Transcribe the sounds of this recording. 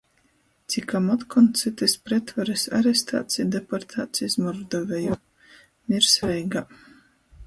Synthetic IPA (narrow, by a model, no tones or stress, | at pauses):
t̪sikamɔt̪kɔnt̪sɨt̪ɛspɾɛt̪vaɾesa̰ɾɛst̪a̰ːt̪sʲid̪ɛpɔɾt̪ʰaːt̪sʲismɔɾd̪ɔvʲɛju | miɾsɾɛjɡa